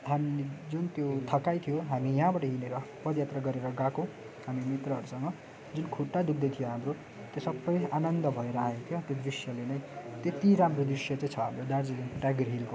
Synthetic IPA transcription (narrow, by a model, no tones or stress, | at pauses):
ɦamid͡zunt̪jot̪ʰʌkajt̪ʰijoɦamijʌɦãbaʈʌɦineɾʌpʌd̪jat̪rʌɡʌɾeɾʌɡãkõ | ɦamimit̪rʌɦʌɾusʌŋɡʌ | d͡zunkʰuʈːad̪uk̚d̪ʌjt̪ʰijoɦamro | t̪josʌbːʌjanʌnd̪ʌbʱʌeɾaet̪ʰjot̪jod̪risjʌlenʌj̃t̪et̪iɾamrod̪risjʌt͡saĩt͡sʰʌɦamɾod̪aɾd͡zileʈaɡrɦilko